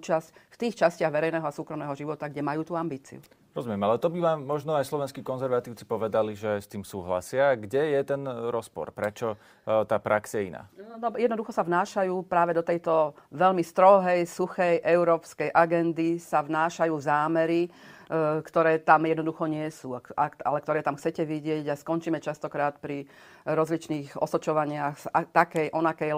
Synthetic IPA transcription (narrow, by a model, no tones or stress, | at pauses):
uːt͡ʃascft̪iːxt͡ʃascɪaɣʋɛɾɛjnɛːɦɔasuːkɾɔmnɛːɦɔʒiʋɔt̪aɡɟɛmajuːt̪uambiːt͡sḭu | ɾɔzumɪɛmalɛt̪ɔbiʋaːmːɔʒnɔajslɔʋɛnskiːkɔnzɛɾʋat̪iːʊt͡si̥pɔʋɛd̪aliʒɛst̪iːmsuːɦla̰sɪaɡɟɛjɛt̪ɛnɾɔspɔ̰ɾpɾɛt͡ʃɔ | t̪aːpɾaksajɛḭna̰ːnɔjɛd̪nɔd̪uxɔsavnaːʃajuːpɾaːʋɛd̪ɔt̪ɛjt̪ɔʋɛʎmist̪ɾɔɦɛjsuxɛjʔɛʊɾɔːpskɛjʔaɡɛnd̪isavnaːʃajuːzaːmɛɾi | kt̪ɔɾɛːt̪amjɛd̪nɔd̪uxɔɲɪɛsuaaa̰lɛk̚t̪ɔɾɛːt̪amxt͡sɛcɛʋiɟɪɛɟaskɔnt͡ʃiːmɛt͡ʃast̪ɔkɾaːt̪pɾi | ɾɔzlit͡ʃniːɣɔ̰sɔt͡ʃɔʋaɲɪaxat̪akɛjʔɔnakɛj